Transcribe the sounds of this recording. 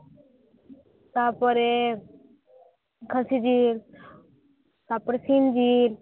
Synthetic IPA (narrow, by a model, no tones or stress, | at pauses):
sapəɾe | kʰəsid͡ʒil | sapəɾesind͡ʒil